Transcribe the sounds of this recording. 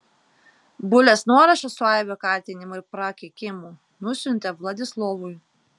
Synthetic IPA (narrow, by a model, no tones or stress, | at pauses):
bʊlʲɛsnuɔɾɐʃɐsʊɑjʋʲokɑˑɾʲt̪ʲɪnʲɪmoɪpɾɐkʲɪkʲɪmu | nʊsʲʊnʲt̪ʲɛʋlˠɐd̪ʲɪslˠɔʋʊj